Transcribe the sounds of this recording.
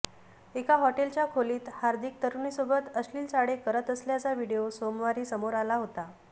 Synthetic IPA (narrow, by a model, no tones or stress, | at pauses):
ekaɦɔʈelt͡ɕjakʰoliːt̪haɾd̪ʱik̚t̪əɾunisobət̪əsliːlt͡saɽekəɾət̪əsljat͡saʋiɽijosomʋaɾiːsəmoɾalaɦot̪a